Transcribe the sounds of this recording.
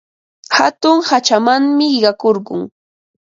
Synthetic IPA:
hat̪ʊŋhat͡ʃamaŋmɪɪɢɑkoɾɢʊŋ

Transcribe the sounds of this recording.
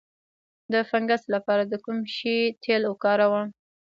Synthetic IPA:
d̪əfaŋɡast̪lapɑɾad̪əkumʃit̪ʰelokɑɾawɑm

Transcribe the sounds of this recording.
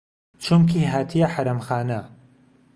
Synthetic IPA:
t͡ʃʰumkʰiɦaːt̪ʰijaħaɾɐmxaːnɐ

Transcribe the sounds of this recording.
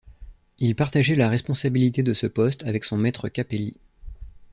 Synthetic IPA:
ilpaʁt̪aʒɛlaʁɛspɔ̃sabilit̪ed̪əsəpɔst̪avɛksɔ̃mɛt̪χəkʲapeli

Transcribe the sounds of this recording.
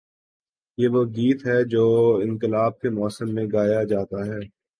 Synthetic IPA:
jeːʋoɡiːt̪ɦɛd͡ʒoːɪ̃nkɪlaːb̚kemɔːsəmːẽɡaːjad͡ʒaːt̪aɦɛː

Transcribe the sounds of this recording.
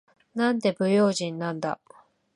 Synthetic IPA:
nãnd̪e̞bɯ̟jo̞ːʑĩnːãnd̪a̰

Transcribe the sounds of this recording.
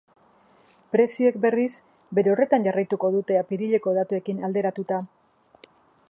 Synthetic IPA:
pɾe̞sie̞k̚be̞ris | be̞ɾe̞o̞re̞t̪anɟarajt̪uko̞ðut̪e̞apiɾiʎe̞ko̞ð̞at̪ue̞kinald̪e̞ɾat̪ut̪a

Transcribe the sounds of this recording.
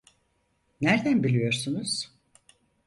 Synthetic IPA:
næɾd̪ænbilʲijo̞ɾsunuz̥

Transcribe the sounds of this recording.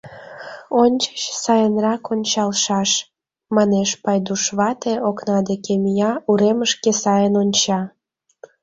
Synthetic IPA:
onʲt͡ɕə̥t͡ɕsɑjənrɑkonʲt͡ɕɑlʃɑʃ | mɑneʃpɑjd̪uʃβɑt̪eoknɑd̪ekemijɑuɾeməʃkesɑjənonʲt͡ɕɑ

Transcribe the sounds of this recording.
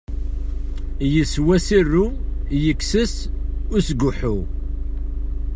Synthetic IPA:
jəswæsirːujəkːsəsʊɾsɡuħu

